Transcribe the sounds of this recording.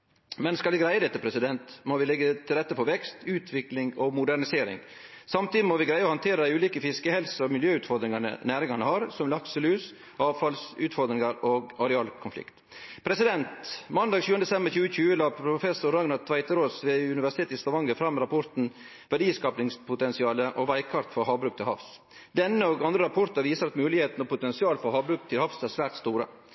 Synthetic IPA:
mɛnskɑlɛɡɾæɪəd̪ɛt̪ːəpʰɾɛsɪd̪ɛnt̪moʋɪlɛɡːət̪ʰɪlɾɛt̪ːəpʰɔʋɛkst̪ʉːt̪ʰʋɪklɪŋɔmʊd̪æɳɪseːɾɪ̰ŋ | sɑmt̪iːd̪ɪmɔʋɪɡɾæɪəɔhɑnt̪ʰeːɾəd̪æɪʉːliːkəfɪskəhɛlsɔmɪljøːʉːt̪fɔɾd̪ɾɪŋɑnə̰næːɾɪŋɑnəhɑɾsɔmlɑksəlʉːs | ʔɑːʋfɑlsʉːt̪fɔɾd̪ɾɪŋɑɾoɡɑɾɛɑːlkʰʊnflɪ̰kt̪ | pʰɾɛsɪd̪ɛnt̪mɑnd̪ɑːɡçʉːənd̪ɛsɛmbəɾçʉːəc͡çʉːəlɑpʰɾʊfɛsʊɾɑŋnɑt̪ʰʋæɪt̪əɾoːsʋeʉnɪʋæʂɪt̪ʰeːt̪ɪst̪ɑʋɑŋəfɾɑmːɾɑpʰɔɾt̪n̩ | ʋæɖiːskɑːpnɪŋspʰʊt̪ɛnsɪɑːləʔɔʋæɪkʰɑɾt̪fɔɾɦɑːbɾʉːk̚t̪ʰɪlhɑfs | d̪ɛnːəɔɡɑnd̪ɾəɾɑpʰɔɾt̪ɑɾʋiːsəɾɑt̪mʉːlɪheːt̪nɔpʊt̪ɛnsɪɑːlfɔɾhɑːbɾʉːk̚t̪ʰɪlhɑfsæsʋæːɾʈ̪st̪uːɾə̰

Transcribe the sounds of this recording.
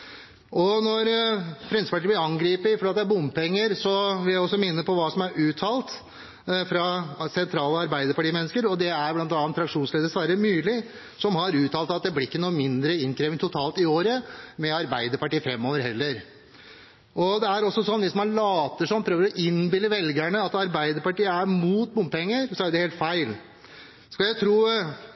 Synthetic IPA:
ʔɔnɔɾfɾɛmsəpɑʈiːb̪lɪɾɑŋɡɾiːpɪfɔɖeːt̪d̪ɛæbʊmpɛŋːəɾsɔʋɪljæɪɔsːɔmɪnːəpʰɔʋɑːsɔmæɾʔʉːt̪ʰɑːlt̪ | fɾɑsɛnt̪ʰɾɑːləɑɾbæɪd̪əɾpɑʈiːmɛnːəskəɾɔd̪ɛæɾblɑnt̪ɑnʰːɾɑkʂuːnsleːd̪əsʋæɾəmʉːlɪ | sɔmhɑɾʉːt̪ʰɑːlt̪ɑt̪̚d̪ɛblɪɪkːənuːmɪnd̪ɾəɪnkʰɾeːʋənt̪ʰʊt̪ʰɑːlt̪ɪoːɾəmɛɑɾbæɪd̪əɾpɑʈiːfɾɛmːoːʋəɾhɛlːəɾ | ʔɔd̪ɛæɾɔsːɔsɔnːʋɪsmɑnɭɑːt̪əʂɔnpʰɾøːʋəɾɔʔɪnbɪlːəʋɛlɡæɳəɑt̪ɑɾbæɪd̪əɾpɑʈiːəæɾmuːt̪muːmpɛŋːəɾsɔæɖɛheːlt̪fæɪl | sɔkɑljæɪt̪ʰɾuː

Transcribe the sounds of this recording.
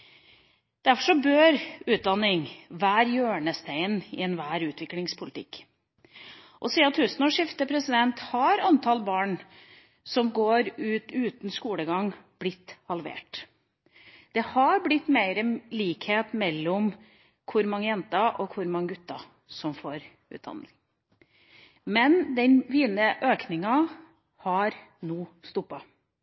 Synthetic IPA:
d̪̥æɾfɔʂɔbøːɾʉːt̪̚d̪ɑnːɪŋʋæːɾjøːɳəst̪ʰæɪnɪ̰ɛnʋæːɾʉːt̪ʋɪklɪŋspʰʊlɪt̪ʰɪ̰kː | ʔɔsiːɑt̪hʉsnɔʂɪft̪əpʰɾɛsɪd̪ɛnt̪hɑɾɑnt̪ʰɑlbɑːɳ | sɔmɡoːɾʉːt̪ʉːt̪n̩skuːləɡɑŋb̥lɪt̪ːhɑlʋḛːʈ | d̪̥ɛhɑɾblɪt̪ːmeɪɾəliːkheːt̪mɛlːɔm | kʰʊɾmɑŋːəjɛnt̪ɑʔɔkʰʊɾmɑŋːəɡʉt̪ːɑ | sɔmfoːɾ | ʉ̰ːt̪d̪ɑ̰nd̪ɪŋ | mɛnd̪ɛnʋiːnəʔøːknɪŋɑ | hɑɾnuːst̪ʊpːɑ

